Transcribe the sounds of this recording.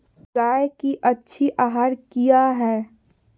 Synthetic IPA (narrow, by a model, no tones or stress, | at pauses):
ɡaːjkiʔɐtːʃʰiʔaːɦaːɾkijaɦɛː